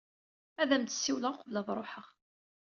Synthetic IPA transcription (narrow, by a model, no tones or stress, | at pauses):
æðæmt̪ə̥sːiwləʁqəvləðˤɾˤoħəʁ